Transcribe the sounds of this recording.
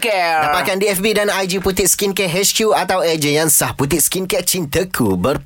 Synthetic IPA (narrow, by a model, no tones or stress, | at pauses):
k̪apakandiɛfbidanajd͡ʒiput̪it̪̚skinkɛʔɦɛskjuat̪awɛd͡ʒejansahput̪iʔ̚skinkɛʔ̚t͡ʃint̪əkʰubər